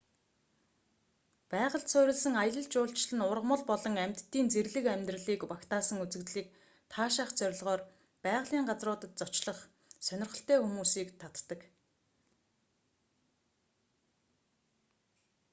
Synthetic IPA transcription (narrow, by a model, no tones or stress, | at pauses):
pæːʁə̆ɬt̪sœːɾʲɪ̆ɮsə̆ŋajə̆ɮə̆ɮt͡ɕʊːɬt͡ɕɮɘ̆nʊrʁmə̆ɮpɔɮɞ̆ŋæm̥ʲt̪ːiːnt͡seɾɮɘ̆kæmʲt̪rə̆ɮiːkwakt̪aːsə̆ŋut͡sɘ̆kt̪ɮiːk̚ | t̪ʰaːʃaχt͡sœɾʲɪ̆ɮʁɔːr | pæːʁɮiːɴɢat͡srʊːt̪ə̆t̪̚t͡sɔt͡ɕɮə̆χ | sœnʲɪ̆rχə̆ɬt̪eːxumuːsiːkt̪ʰat̪ːə̆k